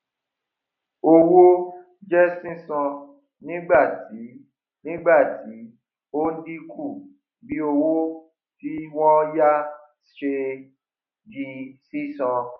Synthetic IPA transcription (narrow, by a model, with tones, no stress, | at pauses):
o˧wo˦ | d͡ʒɛ˦sĩ˦sɔ̃˧ | nĩ˦ɡ͡ba˦˨ti˨˦ | nĩ˦ɡ͡ba˦˨ti˨˦ | o˦n̩˦di˦ku˦˨ | bi˨˦o˧wo˦ | ti˦wɔ̃˦ja˦ | ʃe˧ | d͡ʒi˧sĩ˦sɔ̃˧